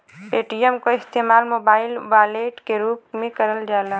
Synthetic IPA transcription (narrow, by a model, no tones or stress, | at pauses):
peːʈiəmkoɪst̪eːmaːlmoːbaːɪlʋaːleːʈkeɾuːp̚mẽkɐɾəld͡ʒaːlaː